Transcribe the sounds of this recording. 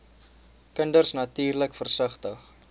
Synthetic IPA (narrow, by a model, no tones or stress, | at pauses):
kəndərsnɐtiːrləkfərsəχtəχ